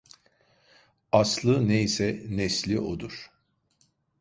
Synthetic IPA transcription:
aslˠɯneisɛnɛslʲiʔod̪uɾ̥

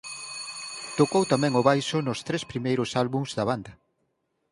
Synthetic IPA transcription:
t̪okowt̪amɛ̃ŋʊβajʃʊnʊst̪ɾespɾimejɾʊsalβuŋz̥ðɐβand̪ɐ

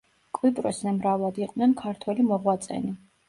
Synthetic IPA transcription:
kʼwipʼɾɔszɛmɾavlˠad̪iqʼnɛnkʰaɾt̪ʰwɛlimɔʁwat̪sʼɛ̰ni

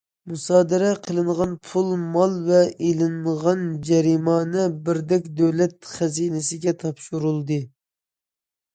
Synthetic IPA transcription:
musɑːd̪ɨɾɛqʰəlˠɨɴʁɑnpʰulˠmɑlˠvɛʔelɪŋʁɑnd͡ʒɛɾimɑːnɨbɪɾd̪ɛkʲd̪øwlɛt̪χæziːnɪsɪɡʲɛt̪ʰɑpʃuɾulˠd̪ɨ

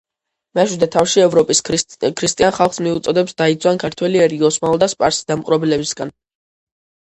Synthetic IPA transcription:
maʃwid̪ɛt̪ʰafʃiɛvɾɔpʼiskʰɾist̪ʼianχalˠχsmiut̪sʼɔd̪ɛpsd̪̥ait̪sʰwankʰaɾt̪ʰwɛliɛɾiɔsmalˠd̪aspʼaɾsi̥d̪amqʼɾɔbilɛbisɡan

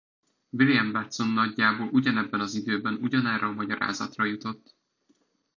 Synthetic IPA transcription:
viljɛmbɛt̪sonːɒɟːaːboːlʔuɟɒnɛbːɛnɒzid̪øːbɛnuɟɒnaːrɒːmɒɟɒɾa̰ːzɒ̰t̪rɒjut̪o̞t̪ː

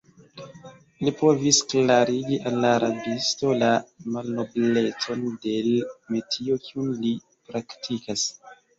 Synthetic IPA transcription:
lipo̞visklaɾiɡiʔalːaɾʔabisto̞lamalno̞ble̞t͡so̞nde̞lmetʰio̞kiunli | pɾaktʰikas

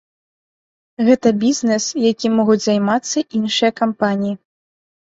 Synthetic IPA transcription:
ɣɛt̪ɐbʲizʲnɛsjakʲimɔɣud͡zʲzajmat̪sːɐʔinʂɨjɐkampanʲiji

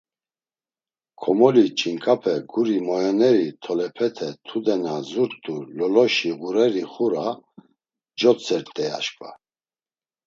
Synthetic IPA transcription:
kʰɔmɔlit͡ʃʼiŋkʼapʰɛɡuɾimɔjɔnɛɾit̪ʰɔlɛpʰɛt̪ʰɛt̪ʰud̪ɛnazuɾt̪ʼulɔlɔʃiɣuɾɛɾiχuɾa | d͡ʒɔt͡sʰʼɛɾt̪ʼɛa̰ʃkʼva̰

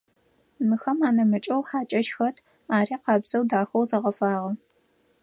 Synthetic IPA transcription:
mɨxɐmaːnɐmɨt͡ʃʼɐwħaːt͡ʃʼɐʃxɐtʰ | aːriːqɑːbzɐwdaːxɐwzɐʁɐfaːʁɐ

